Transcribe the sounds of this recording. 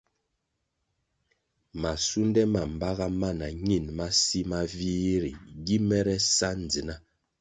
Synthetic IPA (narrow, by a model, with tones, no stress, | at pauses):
ma˨su˦n˦dɛ˦ma˨m˨ba˦ɣa˦ma˦na˨ɲi˦˨nma˦si˦ma˦viː˦ɾḭ˨ɡi˦mɛ˦ɾɛ˦sa˦n˨d͡zi˨na˦